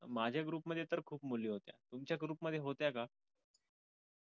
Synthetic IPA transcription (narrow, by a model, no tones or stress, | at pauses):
mad͡ʑʱjaɡɾuːpməd̪ʱːjet̪əɾkʰuːpmuliːɦot̪ja̰t̪umt͡ɕjaɡɾuːpməd̪ʱːjeɦot̪jaka